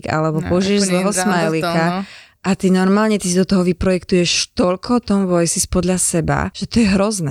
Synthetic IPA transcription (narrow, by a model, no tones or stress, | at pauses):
ka̰lɛbɔpɔuʒiɛʒzlɛɦɔsmajlika | ʔat̪inɔɾmaːlɲɛt̪isid̪ɔt̪ɔɦɔʋipɾɔjɛkt̪ujɛʃt̪ɔʎkʰɔt̪ɔmʋɔjsispɔd̪ʎasɛba̰ʒ̥ɛt̪ɔjɛɦɾɔznɛ̰